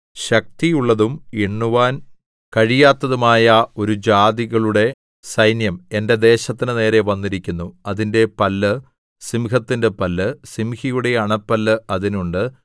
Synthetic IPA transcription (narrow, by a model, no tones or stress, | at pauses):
ɕɐk̚t̪ijuɭːɐðumeɳːuʋaːn | kɐɻijaːt̪ːɐðumaːjɐo̞ɾud͡ʑaːðiɣɐɭuɽe̞ | sɐjnjɐme̞nde̞d̪e̞ːɕɐt̪ːinɨne̞ːɾe̞ʋɐnːiɾikʲːunːuɐðinde̞pɐlːɨ | simkɐt̪ːinde̞pɐlːɨsimhijuɽe̞ɐɳɐpːɐlːɨɐðinuɳɖɨ